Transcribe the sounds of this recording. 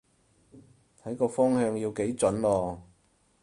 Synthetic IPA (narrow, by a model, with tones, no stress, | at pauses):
t̪ʰɐ˨˥jkɔː˧fɔː˥ŋhœː˧ŋjiː˧wke˨˥jt͡sɵ˨˥nlɔː˧